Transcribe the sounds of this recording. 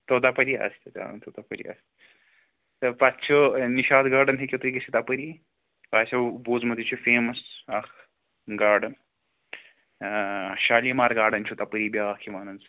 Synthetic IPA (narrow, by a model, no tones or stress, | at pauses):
t̪ot̪ɐpɐɾiɐ̰st̪ɐt̪a̰nt̪ot̪ɐpɐɾḭɐ̰s | t̪ɐpɐt̪t͡ʃʰoniʃaːd̪ɡaːɖɐnɦɐkʲot̪uɡɐsʰit̪ɐpɐɾiː | ʋaːsʲɐbuːzmɐt̪it͡ʃʰufeːmɐsɐk | ɡaːɖɐn | ʃaːliːmaːɾɡaːɖɐnt͡ʃʰut̪ɐpɐɾiːbʲaːkʰimaːnɐnz